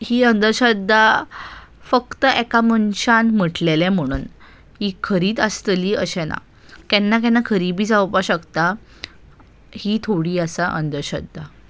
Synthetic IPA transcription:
hiːənd̪əɾɕəd̪ʱːa | fəkt̪əɛkamənɕanm̤əʈlelɛ̃m̤əɽ̃uːn | ɦiːkʰəɾiːt̪əst̪liːəɕɛna̰ | kɛnːak̬ɛnːakʰəɾibiːd͡zawpaɕəkt̪a | hiːt̪ʰoɽiːəsaʔənd̪əɾɕə̰d̪ʱːa

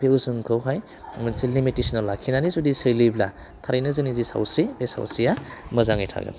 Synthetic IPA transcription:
beusɯŋkʰɯwɦaj | mɯnsilimitisinalːakʰinanizudisɯjlibla | tʰaɾijnɯzɯnizisa̰wsɾibesa̰wsɾijaməzaŋijtʰa̰ɡa̰

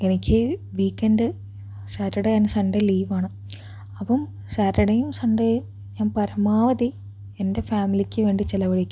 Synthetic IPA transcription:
enikʲːɨʋiːkːendɨ | saːɾɐɽɐjaːnɨsɐɳɖeliːʋaːɳɨ | ɐpɐm | saːɾɐɽɐjumsɐɳɖɐj | ɲaːnpɐɾɐmaːʋɐði | ende̞faːmilikʲːɨʋe̞ːɳɖit͡ɕelɐʋɐɻikʲːu

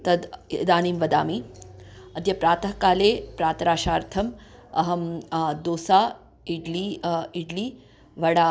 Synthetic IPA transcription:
t̪ɐd̪d̪aːniːmʋɐd̪a̰ːmi | ɐd̪jɐpɾaːt̪ɐɦkaːleːpɾaːt̪ɾaːʃaːɾt̪ʰɐmɐɦɐmd̪oːsaː | iɖliiɖliː | ʋɐɽaː

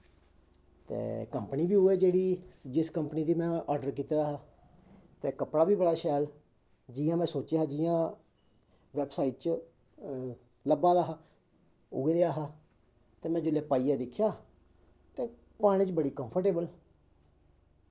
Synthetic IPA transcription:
t̪ḛːkəmpəniːbiːɦʊeːd͡ʒeːɽiːd͡ʒɪskəmpəniːd̪iːmɛ̃ːʔɔːɾɖəɾk̬iːt̪ːd̪aːɦaː | t̪eːkəpɽaːbiːbəɽaːʃɛːl | d͡ʒiːjãːmɛ̃ːsoːt͡ʃeːɦaːd͡ʒijãː | ʋɛːbsaːiʈ̚t͡ʃ | ləbãːd̪aːɦaː | ʊ̰ɡed̪eaːɦaː | t̪eːmɛ̃ːd͡ʒʊleːpaːiːjaːd̪ɪkʰːjaː | t̪eː | paːɽ̃ĩːt͡ʃbəɽiːkəmpʰəɾʈeːbəl

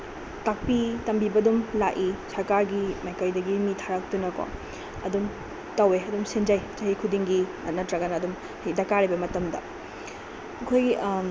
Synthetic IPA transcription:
tak̚pitɐmbibɐdumlaʔisɐɾkaɾɡimajkajdɐɡimitʰaɾak̚tunɐkɔ̰ | ɐ̰dum | tɐweɐdumsend͡ʒajt͡ʃɐhikʰudiŋɡi | ɐt̚nɐtɾɐɡɐnɐːdum | hidɐkaɾibɐmɐtɐmdɐ̰ | ɐkʰojɡi

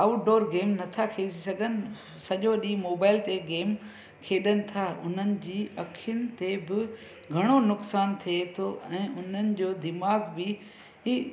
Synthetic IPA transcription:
aːʊʈɖoːɾɡeːmnɐt̪ʰakʰeːd͡ʑisɐɡʱənɪ̆ | sɐʄoɗĩːmoːbaːɪlt̪eɡeːm | kʰeːɗənɪ̆t̪ʰaːʊ̰n̤ənɪ̆d͡ʑiːʔɐkʰɪjənɪ̆t̪ebɪ | ɡʱɐɽ̃onʊksaːnt̪ʰiet̪ʰoɛ̃ːʔʊn̤ənɪ̆d͡ʑoːd̪ɪmaːɡbɪ | ɦiː

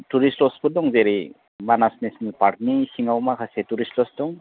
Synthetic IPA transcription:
tuɾistɔspɔdɔŋzeɾi | manasnesnipaɾ̚nisiŋawmakʰasetuɾistlɔsdɔŋ

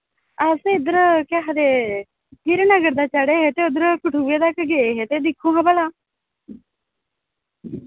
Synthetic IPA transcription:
əseːɪd̪əɾkaːɦad̪eː | kɪɾnəɡəɾd̪aːt͡ʃəɽeːɦeːt̪eːʊd̪əɾkəʈʰuːeːt̪akɡeːeɦeːt̪eːd̪ɪkʰːõːɦãːbəlaː

